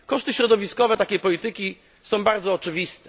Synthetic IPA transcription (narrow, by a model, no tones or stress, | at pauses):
kɔʂt̪ɘɕɾɔd̪ɔvʲiskɔvɛt̪akʲejpɔlʲit̪ɘkʲi | sɔ̃w̃baɾd̪zɔːt͡ʂɘvʲist̪ɛ